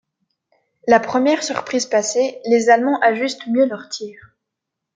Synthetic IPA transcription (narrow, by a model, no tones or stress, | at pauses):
lapχəmjɛʁsyʁpχizpaselezalmɑ̃ʔaʒyst̪mjølœʁt̪ʰiːʁ